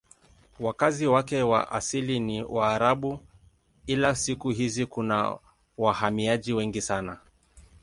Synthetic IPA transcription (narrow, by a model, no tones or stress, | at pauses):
wakaziwakɛwa̰ʔasiliniwaːɾaɓu | ilasikuɦizikuna̰ | wahamiaʄiwɛŋɡisana